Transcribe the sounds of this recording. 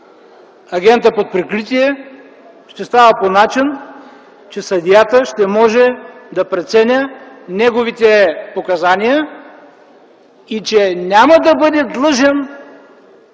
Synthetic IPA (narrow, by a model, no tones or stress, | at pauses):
ɐɡʲɛnt̪əpot̪̚pɾɛkɾit̪iɛ | ʃt̪ɛst̪avəponat͡ʃin | t͡ʃɛsɐd̪ʲijat̪əʃt̪ɛmɔʒɛd̪ɐpɾɛt̪sɛnʲənɛɡovit̪ɛpokɐzanijə | it͡ʃɛnʲaməd̪ɐbɤd̪ɛd̪lˠɤʒɛn